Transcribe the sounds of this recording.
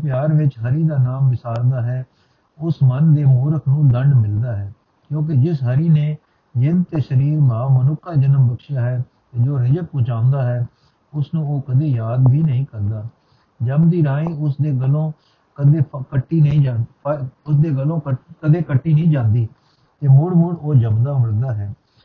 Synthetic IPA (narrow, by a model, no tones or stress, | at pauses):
pjaːɾʋɪt͡ʃɦəɾiːd̪aːnaːmʋɪsaːɾd̪aːɦɛː | ʊsmənd̪eːmoːɾəkʰnũːd̪əɳɖmɪld̪aːɦɛː | kjõːk̬ɪd͡ʒɪsɦəɾiːneː | jɪnt̪eːʃəɾiːɾbʱaːmənʊkʰːaːd͡ʒənəmbəkʃjaːɦɛː | ed͡ʒoːɾɪd͡ʒək̚pʊ̃ːt͡ʃãːʊ̃nd̪aːɦɛː | ʊsnũːoːkəd̪eːjaːd̪bʱiːnəɦĩːkəɾd̪aː | d͡ʒəmd̪iːɾaːĩːʊsd̪eːɡəlõː | kəd̪eːkəʈːiːnəĩːd͡ʒãːnəɾʊsd̪eːɡəlõːəkəd̪eːkəʈːiːnəĩːd͡ʒãːnd̪iː | t̪eːmʊɽmʊɽoːd͡ʒəmd̪aːməɽd̪aːɦɛː